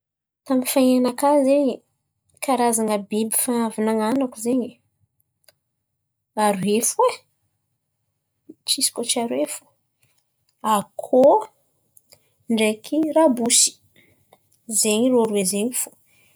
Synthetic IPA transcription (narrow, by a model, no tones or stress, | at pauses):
t̪amifaianakazeɲi | kʰaɾazaŋəbibifanavanaŋanakuzeɲi | aɾuefue | t͡ʃisi̥kot͡ʃaɾwefu̥ | akʰo | ɳɖ͡ʐekʰirabusi̥ | zeɲiɾoɾwezeɲifu̥